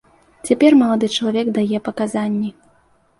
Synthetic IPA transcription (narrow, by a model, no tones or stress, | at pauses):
t͡sʲapʲɛrmɐlˠad̪ɨt͡ʂɐlˠavʲɛɡd̪ajɛpɐkazanʲːi